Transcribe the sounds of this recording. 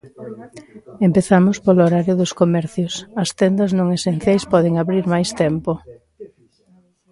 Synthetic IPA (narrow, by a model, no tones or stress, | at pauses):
empeθamʊspoloɾaɾjʊðʊskomɛɾθjʊsɐst̪ɛnd̪ɐznõŋesen̟θjajspɔðeŋaβɾiɾmajst̪ɛmpo